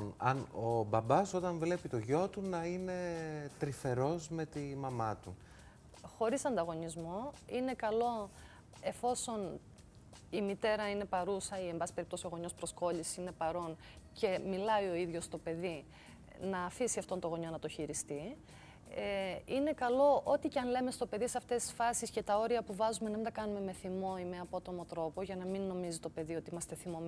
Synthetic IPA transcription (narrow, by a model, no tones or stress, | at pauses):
ɐnobɐbɐso̞t̪ɐɱvle̞pit̪oʝo̞t̪unɐine̞t̪ɾife̞ɾo̞zme̞t̪imɐmɐt̪ṵ | xo̞ɾisɐnd̪ɐɣo̞nizmoine̞kɐlo̞ | e̞fo̞so̞n | imit̪e̞ɾɐine̞pɐɾusɐie̞mbɐsi̥peipt̪o̞sio̞ɣo̞ɲo̞spɾo̞sko̞ʎisi̥sine̞pɐɾo̞n | ce̞milɐio̞iðʝo̞st̪o̞pe̞ði | nɐːfisiɐft̪o̞nt̪oɣo̞ɲo̞nɐt̪oçiɾist̪i | ine̞kɐlo̞o̞t̪iceɐnle̞me̞st̪ope̞ðiseɐft̪e̞st̪i̥sfɐsisce̞t̪ɐo̞ɾiɐpuvɐzumenɐmint̪ɐkɐnume̞me̞θimo̞ime̞ɐpo̞t̪o̞mo̞t̪ɾo̞po̞ʝɐnɐminːo̞mizit̪o̞pe̞ðio̞t̪iimɐst̪e̞θimom